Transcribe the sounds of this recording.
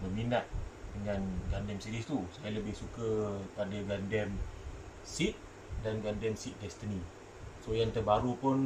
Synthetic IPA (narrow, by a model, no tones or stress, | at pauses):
məminat̪̚dəŋanɡandɛmsidist̪usajaləbɪhsukəpadaɡandɛm | sit̪̚ | danɡandɛmsit̪̚dɛst̪əni | sojaŋt̪ərbaɾupʊn